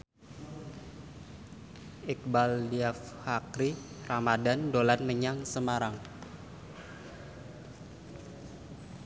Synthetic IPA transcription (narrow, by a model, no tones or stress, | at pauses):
ɛk̚baldiaf | hakɾi | ramadandolanməɲaŋsəmaɾaŋ